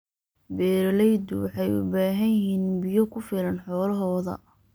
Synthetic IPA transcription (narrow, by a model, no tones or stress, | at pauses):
bɛːɾɐlɛjd̪ʊ̰wɑħɑjʊ̰baːɦɐjɪɦiːnbɪjɔkʰʊfɪlɐnħɔːlɐɦɔːðɐ̰